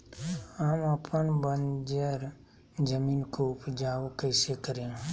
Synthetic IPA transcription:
ɦəməpənbənd͡ʒəɾ | d͡ʒəmiːnkoʊpd͡ʒaːokəɪsekəɾẽ

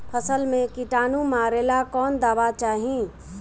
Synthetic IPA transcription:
pʰəsəlmẽkiʈaːnũmaːɾeːlakɔːnd̪aːʋat͡ʃaːɦĩ

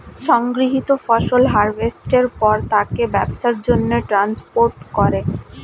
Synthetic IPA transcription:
ʃɔŋɡɾiɦit̪ofɔʃolɦaɾbesʈeɾpɔɾt̪akebɛbʃaɾd͡ʑonːeʈɾanspoɾʈkɔɾe

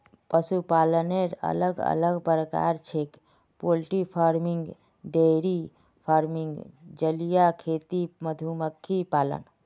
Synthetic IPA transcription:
pəsupaːləneɾə̰ləɡə̰ləɡpəɾəka̰ɾt͡ʃʰek | polʈipʰaɾmiŋɡ | ɖeɾi | pʰaɾmiŋɡd͡ʒəlijakʰet̪iməd̪ʱuməkʰːipaːlə̰n

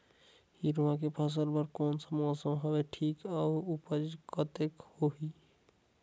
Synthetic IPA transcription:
hiɾuãkepʰəs̬əɾbəɾkonsəmɔsə̃ɦɔbeʈʰikauupəd͡ʒkət̪ekhoɦi

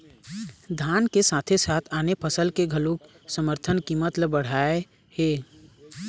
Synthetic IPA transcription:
d̪ʱaːnkesaːt̪ʰesaːt̪ʰaːnepʰəsəlkeɡʱəluk | səməɾt̪ʰənkimət̪ləbːəɽ̤aːe | he

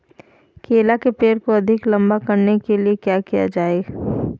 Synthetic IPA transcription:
keːlakepeːɾkoɐd̪ʱɪklɐ̃mbakɐɾnekeliekjaːkija̰d͡ʒaːe

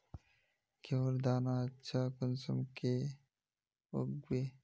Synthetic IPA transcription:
kewɾd̪aːnat͡ɕʰaːkunsɐmke | oɡwe

